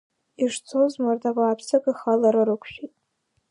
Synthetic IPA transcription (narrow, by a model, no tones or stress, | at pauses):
iʂt͡sʰozmardabʷaːpʰsakʼɨχalaɾaɾɨkʷʰʃᶣitʼ